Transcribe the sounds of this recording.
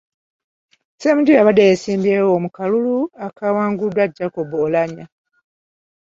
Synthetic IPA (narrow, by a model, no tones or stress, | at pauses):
seːmuɟujaβadejesiːmbiewomukaluluakʰawaːŋɡudwaɟːakobolaɲa